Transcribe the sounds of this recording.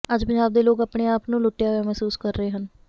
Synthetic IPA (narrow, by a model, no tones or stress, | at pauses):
əd͡ʒpə̃ɲd͡ʒaːbd̪eːloːkapɽeːaːpnũːlʊʈːjaːɦojaːmɛːsuːskəɾːəeːɦən